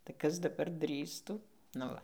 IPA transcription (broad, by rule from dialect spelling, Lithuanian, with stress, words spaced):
tɐɪ ˈkɐs dɐˈbɐr ˈdʲrʲiːstuː nʊ ˈʋɐ